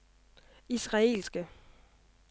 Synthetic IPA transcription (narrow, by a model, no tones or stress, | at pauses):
isʁɑ̈e̝̰ːlsɡ̥ə